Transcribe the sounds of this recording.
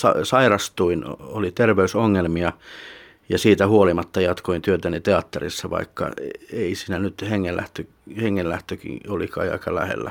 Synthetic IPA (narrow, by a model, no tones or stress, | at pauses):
sɑsɑirɑst̪uinolit̪erʋeysoŋːelmiɑ | jɑsiːt̪æhuolimɑt̪ːɑjɑt̪koint̪yøt̪ænit̪eɑt̪ːerḭsːɑʋɑ̰ikːɑ̰eisiːnænyt̪heŋːelʔæ̰ht̪ø | heŋːellæht̪økḭolikɑ̰iɑ̰ikɑlæ̰hḛlːæ̰